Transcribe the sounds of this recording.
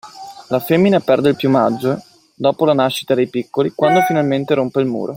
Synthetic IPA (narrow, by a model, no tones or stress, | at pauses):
lafemːinapɛrd̪eilpjumad͡ʒːo | d̪ɔːpolanaʃːi̥t̪ad̪ejpikːolikwand̪ofinalment̪eɾompeilmṵːɾo